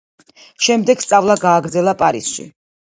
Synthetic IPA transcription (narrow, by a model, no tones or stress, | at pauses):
ʃɛmd̪ɛɡst̪sʼavlˠaɡaːɡɾd̪zɛlˠapʼaɾḭsʃḭ